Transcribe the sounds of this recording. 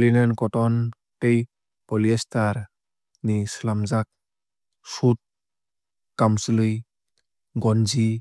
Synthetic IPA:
linankɔtɔn | tej | pɔliestaɾ | nisəlamzak̚ | sut̚ | kamslɯj | ɡɔnd͡ʒi

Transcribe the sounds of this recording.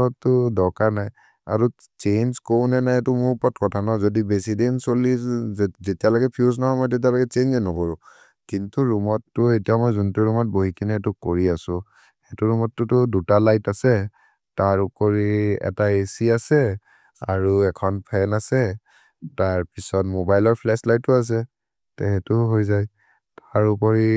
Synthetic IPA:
ɔtːʊdɔkaɹnaj | a̰ɹu | t͡ʃenzkownɛnajɛtʊmʊɹpɔtkɔtʰanazodibesidensolizetialɔɡɛpʰiuznaɦɔjmɔjt̬et̬ialɔɡɛt͡ʃenɛnɔkoɹu | kintuɹumɔtːʊetiamɔjzuntuɹumɔt̚boɦikʰinɛtʊkoɹiasʊ̃ | hɛtuɹumɔtːʊtʊdutalajtasɛ | taɹupoɹiɛ̰taesiasɛ | a̰ɹuɛkʰɔnpʰɛnasɛ | taɹpisɔt̚mobajlɔɹpʰlɛslajtːʊas̬ɛ | tɛɦɛtʊɦojzaj | taɹupɔɹi

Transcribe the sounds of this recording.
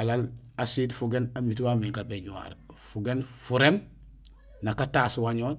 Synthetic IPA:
alal | asiːtfuɡenamit̬wamiŋkabeɲuwa̰ɾfuɡenfuɾem | nakataːswaɲoː

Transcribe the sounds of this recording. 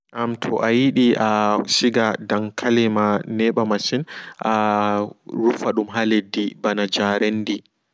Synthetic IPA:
ʔamtʰɔʔajiɗiasiɡadaŋkʰalɛmanɛɓamasinʔa | ɾufaɗumɦaledːibanad͡ʒaɾenːdi

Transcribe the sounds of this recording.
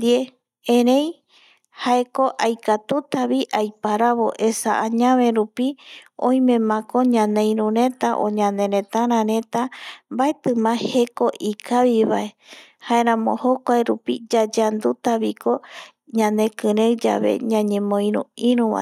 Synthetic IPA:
d̪ie | ẽɾẽ̞j̃ | haeko̞ʔajkat̪ut̪aβiʔajpaɾaβo̞̰ʔesaʔaɲãβẽ̞ɾupiõ̰j̃mẽ̞mãkoɲãnẽĩɾũɾẽ̞t̪aʔõ̰ɲãnd̪ẽ̞ɾẽ̞t̪aɾ̃ãɾẽ̞t̪ambae̞t̪ɨmãhe̞ko̞ʔikaβiβae̞ | hae̞ɾ̃ãmõ̰hokʷaeɾupḭd͡ʒad͡ʒand̪ut̪aβiko̞ | ɲãne̞kɨɾewd͡ʒa̰βe̞̰ɲãɲẽmõĩɾũĩɾũβa̰

